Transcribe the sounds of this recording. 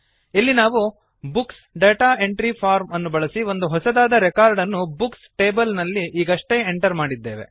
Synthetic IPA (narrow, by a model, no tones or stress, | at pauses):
ilːinaːʋu | buksɖeːʈaːe̞ɳʈɾipʰaːɾmɐnːubɐɭɐsiʋo̞nd̪uɦɔsɐd̪aːd̪ɐɾɛkaːɾɖɐnːubuksʈeːbɐlnɐlːiʔiːɡɐʂʈe̞eɳʈɐɾmaːɽid̪ːe̞ːʋe̞̰